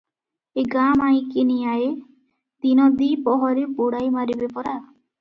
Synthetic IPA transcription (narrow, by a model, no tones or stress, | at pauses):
eɡamaj̃kenijaje | d̪̥inɔd̪ipɔɦɔɾipuɽajmaɾibepɔɾa